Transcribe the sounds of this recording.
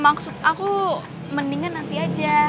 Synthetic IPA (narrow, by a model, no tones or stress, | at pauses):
maksʊt̪̚aku | məniŋanːant̪iad͡ʒa